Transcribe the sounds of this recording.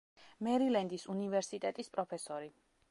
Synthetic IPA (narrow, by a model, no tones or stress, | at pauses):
mɛɾilɛnd̪isunivɛɾsit̪ʼɛt̪ʼispʼɾɔpʰɛsɔɾi